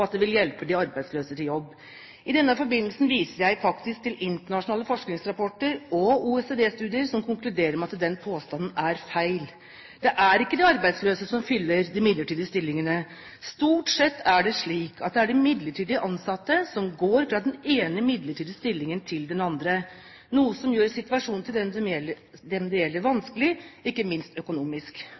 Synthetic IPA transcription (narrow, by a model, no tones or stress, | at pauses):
ɑt̪̚d̪ɛʋɪljɛlpəd̪ɪɑɾbæɪd̪sløːsət̪ʰɪljɔbː | ɪd̪ɛnːəfɔɾbɪnːlsn̩ʋiːsəɾjæɪfɑkt̪ɪsk̚t̪ɪlɪnt̪əɳɑʂʊnɑːləfɔʂknɪŋsɾɑpɔʈːəɾɔuːɛsed̪eːst̪ʉːd̪ɪəɾsɔmkʰʊŋklʉd̪eːɾəɾmɛɑt̪d̪ɛnpʰoːst̪ɑnn̩æɾfæɪl | d̪̥ɛʔæɾɪkːəd̪ɪɑɾbæɪd̪sløːsəsɔmfʏlːəɾd̪ɪmɪd̪ləʈiːd̪əst̪ɪlːɪŋənə | st̪uːʈsɛt̪ːæɖɛʂɭiːkʰɑ̰t̪̚d̪ɛæɖɪmɪd̪ləʈʰiːd̪ɪəʔɑnsɑt̪ːəsɔmɡoːɾfɾɑːd̪ɛneːnəmɪd̪ləʈʰiːd̪əst̪ɪlːɪŋənt̪ʰɪld̪ɛnɑnd̪ɾə | nuːəsɔmjøːɾsɪt̪ʋɑʂuːnt̪ʰɪlɛnsɔmjɛl | d̪ɛmd̪ɛjɛlːəɾʋɑnskəlɪɪkːəmɪnst̪œkʊnuːmɪsk